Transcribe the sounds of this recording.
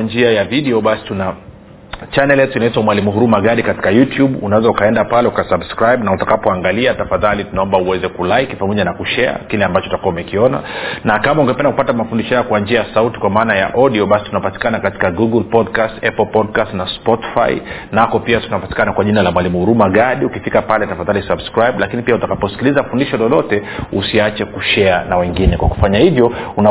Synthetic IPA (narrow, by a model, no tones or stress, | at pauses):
nd͡ʒiajaviɗɛɔɓasi̥tuna | t͡ʃanɛljɛtuinaitwamwalimuhuɾumaɠaɗikati̥kajutjuɓunaɛzaukaɛndapalɛukasabskɾajɓnautakapɔaŋɡaliatafaðalitunaɔmbauwɛzɛkulaikipamɔʄanakuʃɛa̰kilɛambat͡ʃɔutakuwaumɛkiɔna̰nakamauŋɡɛpɛndakupatamafundiʃɔhajɔkwaɲd͡ʒiajasauti̥kwamaːnaja̰ʔɔɗiɔɓasi̥tunapati̥kanakati̥kaɡuɡulpɔdkastɛpɔlpɔdkastnaspɔti̥fa̰j̰nakɔpiatunapati̥kanakwaʄinalamwalimuuɾumaɠaɗiukifikapalɛtafaðalisabskɾajɓlakinipiautakapɔsi̥kilizafundiʃɔlɔlɔtɛusiat͡ʃɛkuʃɛanawɛŋɡinɛkwaku̥faɲahivjɔuna